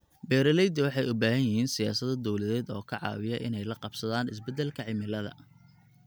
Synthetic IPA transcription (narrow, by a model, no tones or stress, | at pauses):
bɛːɾɐlɛjd̪ɐwɑħɑjʊbaːɦɐjɪhiːnsɪjaːsɐðɐd̪ɔwlɐðɛːd̪ɔ̰ːkʰɐʕɑ̰ːwɪjɐʔɪnɛjlɐqɑbsɐðaːnɪs̬bɛd̪ɛlkʰɐʕɪmɪlɐðɐ̰